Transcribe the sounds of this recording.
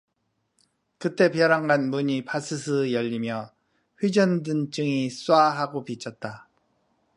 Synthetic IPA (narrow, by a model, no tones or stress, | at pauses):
kɯt͈e̞pjʌɾaŋɡanmuɲipas͈ʰɯsʰɯjʌʎːimjʌ | ɸɥid͡ʑʌndɯnt͡ɕ͈ɯŋis͈uaɦaɡopit͡ɕʰʌt̚t͈a